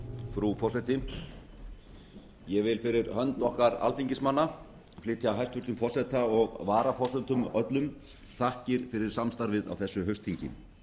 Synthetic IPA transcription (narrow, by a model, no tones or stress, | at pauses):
fɾufɔrsɛt̪ɪ | jɛɣvɪlfɪɾɪɾhœnt̪ɔhkaɾa̰lθiɲcɪsmanːa | flɪːt̪jaɦajst̪vʏɾ̥t̪ʏmfɔr̥sɛt̪aɔɣvaːɾafɔsɛnt̪ʏmœt̪lʏm | θahcɪɾ̥fɪɾɪɾ̥samst̪aɾvɪða̰wθɛsːʏɦœɥst̪hiɲcɪ̰m